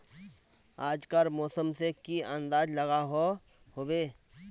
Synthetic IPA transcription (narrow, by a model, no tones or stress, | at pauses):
aːd͡ʒkəɾmɔːsəmsekiə̃nd̪aːd͡ʒlɐɡaɦo | hoːweː